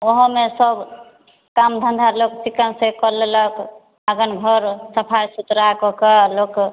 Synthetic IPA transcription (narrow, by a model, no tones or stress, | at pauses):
oɦə̃mesəb | kamd̪ʱə̃nd̪ʱaloksikənsekɔɾlelək | aɡənɡʱɔɾsəpʰajsut̪ɾakɔkelok